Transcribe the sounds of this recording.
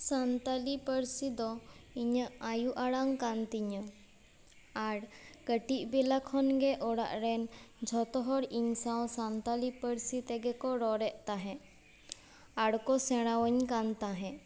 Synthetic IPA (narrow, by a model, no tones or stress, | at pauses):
sant̪alipəɾsid̪ɔiɲəajuʔaɽaŋkant̪iɲə | aɽkəʈiʔbilakʰɔnɡɛʔɔɽa̰ʔɾɛnd͡ʒʱɔt̪ɔɦɔɽiɲsãwsant̪alipəɾsit̪ɛɡɛkɔɾɔɾɛʔt̪aɦɛ̃ | aɽkɔsɛɽ̃awəɲkant̪aɦɛ̃